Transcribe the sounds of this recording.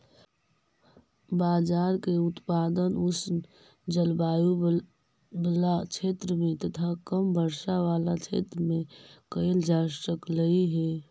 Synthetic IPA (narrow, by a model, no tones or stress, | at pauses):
baːd͡ʒaːɾkeut̪pad̪ənʊs | d͡ʒəlbaːju | blat͡ʃʰet̪ɾəmẽt̪ət̪ʰakəmbəɾʃaʋaːlat͡ʃʰḛt̪ɾəmẽkəeld͡ʒaəkləiɦɛ